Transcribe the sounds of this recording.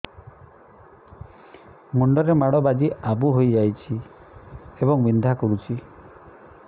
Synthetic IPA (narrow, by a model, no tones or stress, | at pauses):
muɳɖɔɾemaɽɔbad͡ʒiabuɦojd͡ʒajt͡ʃʰi | ebɔŋmind̪ʱakɔɾut͡ʃʰi